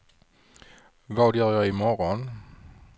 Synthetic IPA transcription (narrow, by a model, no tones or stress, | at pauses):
vɑːd̪jœːɾjɑɪmɔɾɔn